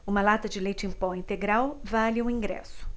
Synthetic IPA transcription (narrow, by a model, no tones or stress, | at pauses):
ũmɐlat̪ɐd͡ʒɪlejt͡ʃɪẽpɔĩnt̪eɡɾawvalɪũĩɡɾɛ̰sʊ̥